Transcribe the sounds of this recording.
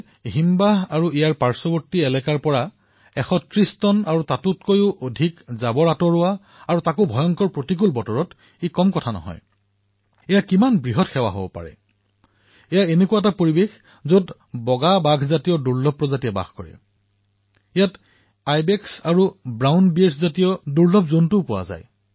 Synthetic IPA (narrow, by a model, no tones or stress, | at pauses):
ɦimbaɦaɹuijaɹpaɹsɔbɔɹtiɛlɛkaɹpɔɹa | ɛxɔtɹistɔnaɹutatutkojʊʔodʱikzabɔɹatɔɹʊwa | aɹutakʊbʱɔjɔŋkɔɹpɹotik̬ulbɔtɔɹɔt | ikɔmkɔtʰanɔ̰ɦɔ̰j | ɛjakimanbɹiɦɔtxɛwa̰ɦo̰bɔ̰pa̰ɹɛ̰ | ɛjaenekuwaɛtapoɹibex | zot | bɔɡabaɡʱzatijɔduɹlɔb̚pːɹɔzatiɛba̰xkoɹɛ̰ | ɛjat | ajbɛksaɹubɹawnbieɹszatijɔduɹlɔbzontʊpʊwa̰za̰j